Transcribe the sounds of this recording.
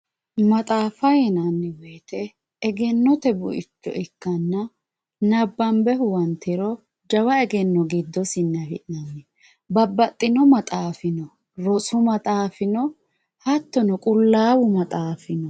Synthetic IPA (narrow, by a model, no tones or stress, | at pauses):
mɐt̪ʼaːfɐjɛnɐnːɪweːt̪ɛː | ɡɛnːɔt̪ɛbʊʔɪt͡ʃːɔ̰ʔɪkːɐnːɐ | nɐbːɐmbɛhʊwɐnt̪ːɪɾɔ | d͡ʒɐwɐɛɡɛnːɔɡid̪ːɔsɪnːɛhɪʔnɐmɛ | bɐbːɐt̪ʼːɪnɔmɐt̪ʼaːfɪnɔ | ɾɔsʊmɐt̪ʼaːfɪnɔ | hɐt̪ːɔnɔkʼʊlːaːwʊmɐt̪ʼaːfɪnɔ